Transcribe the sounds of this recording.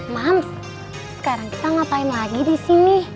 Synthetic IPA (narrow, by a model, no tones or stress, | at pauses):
mam | sə̥kaɾaŋki̥t̪aŋapaimlaɡidisini